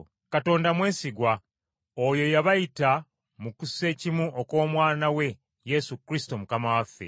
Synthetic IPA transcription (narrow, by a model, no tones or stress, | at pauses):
kato̞ːndamwe̞ːsiɡwa | ojo̞jaβajita | mukuse̞ːcimuʔoko̞ːmwaːnawe̞ | je̞sukɾisi̥to̞mukamawafːe̞̰